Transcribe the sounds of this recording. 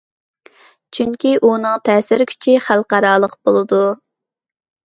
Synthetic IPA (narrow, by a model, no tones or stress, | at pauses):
t͡ʃʰyŋkʲiʔunɨŋt̪ʰɛːsɪɾkʲʰy̥t͡ʃʰiχælˠqɑɾɑːlˠəqb̥olˠɨd̪u